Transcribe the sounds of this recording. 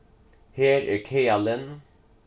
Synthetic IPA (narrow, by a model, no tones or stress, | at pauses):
heːɾæ̰ɾkʰeːalən